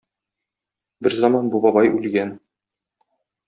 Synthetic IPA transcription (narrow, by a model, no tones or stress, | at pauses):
bɘɾzɑmɑnbubɒbɑjʉlɡæn